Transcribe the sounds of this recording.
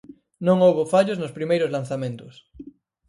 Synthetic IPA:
nõŋowβofaʎoznospɾimejɾozlanθamẽnt̪os

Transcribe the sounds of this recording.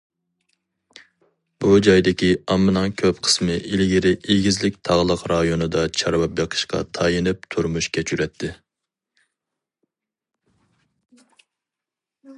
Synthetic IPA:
bud͡ʒɑjd̪ɪkʲʰiɑmːɨnɑŋkʲʰøpqʰə̥smɨʔilɡʲiɾɪʔiɡʲizlɪk̚ʲt̪ʰɑʁlˠəqɾɑjonɨd̪ɑt͡ʃʰɑɾwɑp̚jɑqʰə̥ʃqʰɑ̰t̪ʰɑjinɪp̚t̪ʰuɾmuʃkʲʰɛt͡ʃʰyɾɛt̪ʰːɪ

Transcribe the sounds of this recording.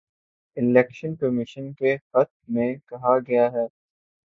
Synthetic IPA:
ɪlɛːkʃənkɐmɪʃənkexɐt̪mẽkɐɦaɡɐjaɦɛː

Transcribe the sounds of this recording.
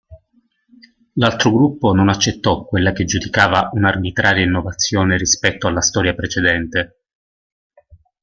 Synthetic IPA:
lalt̪ɾoɡɾupːononat͡ʃːet̪ːɔkːwelːaked͡ʒud̪ikaːvaʔunarbit̪ɾaːɾjainːovat̪sːjoːneɾispɛt̪ːoalːast̪ɔːɾjapɾet͡ʃed̪ɛnt̪e

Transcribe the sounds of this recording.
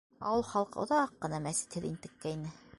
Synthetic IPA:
ɑ̰wɤlˠχɑlˠqɤ̰̆ŏ̰ðɑqːɤ̆nɑmæsɘ̥t̪hɘðint̪ɘ̆kːæinɘ

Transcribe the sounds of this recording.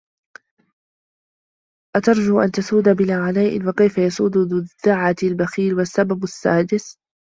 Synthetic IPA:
ʔat̪ɑɾˤd͡ʒuːʔant̪asuːd̪abɪlaːʕalajʔɪ̰nwakajfajɑsˤuːd̪ʊðʊʕːalbaxiːlwasːababasːaːd̪ɪs

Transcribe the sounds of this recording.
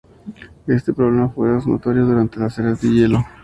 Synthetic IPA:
e̞st̪e̞pɾoβle̞mafweosno̰t̪oɾjoðuɾant̪e̞laseɾazd̪eʝe̞lo

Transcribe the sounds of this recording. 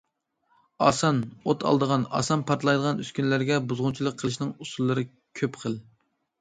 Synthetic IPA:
ɑ̰ːsɑnot̪ʰɑ̰lˠd̪əʁɑnɑ̰sɑnpʰɑɾt̪lˠɑjd̪əʁɑnyskʲynlæɾɡʲɛbuzʁʊnt͡ʃʰilˠəqʰːəlˠɨʃnɨŋusulˠːɨɾɨ | kʲʰøpqʰəlˠ

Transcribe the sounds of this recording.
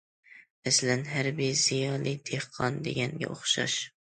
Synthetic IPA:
mɛslænɦæɾbijz̥ijɑlˠijd̪̥ehqʰɒnd̪ḛɡʲɛnɡʲɛ̰ʔoχʃɑ̰ʃ

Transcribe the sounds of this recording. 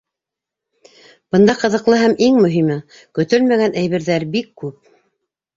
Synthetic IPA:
b̥ɤ̆nd̪ɑqɤ̆ðɤ̆qlˠɤɦæmʔiŋmɵ̆ɦimɘ | kɵ̆t̪ɵlmæɡænʔæjβɘ̆ɾðæɾbikːʉp̚

